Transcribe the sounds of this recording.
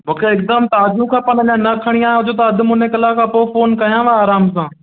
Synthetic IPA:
mũːkʰeɪk̚d̪əmt̪aːd͡ʑũkʰãːpɐnɐɲãːnɐkʰəɽ̃iaːeɦʊd͡ʑot̪ɐɐd̪ʱmʊ̃nẽkɐlaːkʰãːpoːfoːnkɐijãːʋaaːɾaːms̬ãː

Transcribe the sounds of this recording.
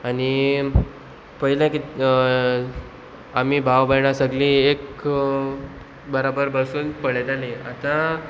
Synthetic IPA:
aɽ̃i | pəɦilãki | amiːbʱaʋbəɳasəɡlĩek | bəɾabəɾbəɭsuːnpəɭet̪aleat̪a

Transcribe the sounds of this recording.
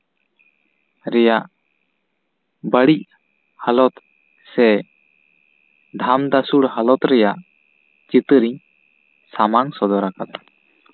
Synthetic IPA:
ɾɛjaʔ | bəɽic̚ | həlɔt̪ | sɛ | d̪ʱamd̪asuɽhəlɔt̪ɾɛjaʔ | t͡ʃit̪ɨɾiɲ | samaŋsɔd̪ɔɾakat̪̚

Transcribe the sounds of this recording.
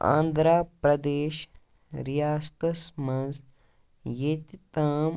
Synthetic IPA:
ã̰ːnd̪ʱɾaːpɾɐd̪eːʃ | ɾijaːst̪ɐsmɐ̃nz | jet̪it̪aːm

